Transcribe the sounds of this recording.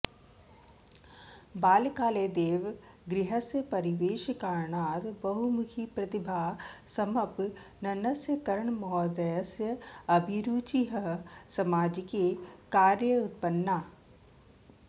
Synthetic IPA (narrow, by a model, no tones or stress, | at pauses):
baːlkaːleːd̪eːʋ | ɡɾɪɦəsjəpɐɾiʋeːʃkaːɾɳaːt̪bɐɦumukʰipɾɐt̪ibʱaːsɐmɐp | nɐnɐsjəkɐɾəɳmɔːd̪əjəsjəɐbʱiɾuːt͡ʃiɦəsɐmaːd͡ʒkekaːɾjəʊt̪̚pənːaː